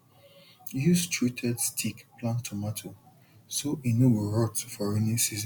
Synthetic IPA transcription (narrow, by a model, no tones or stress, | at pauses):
jistʰɹitʰɛdstʰikplãntʰɔmatʰo | soʔinobəɹɔtufɔɹenisiz̃